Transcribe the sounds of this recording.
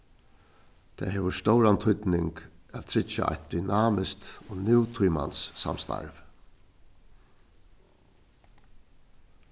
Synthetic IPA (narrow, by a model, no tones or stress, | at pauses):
t̪ʰæ̰ːɦeːʋəst̪ɔwɾant̪ʰʊt̪nɪŋkæt̪̚t̪ʰɾɪt͡ʃːa̰ʔa̰jt̪̚d̪ʏnaːmɪskt̪oːnɪwt̪ʰujma̰nsːa̰mst̪a̰ɹv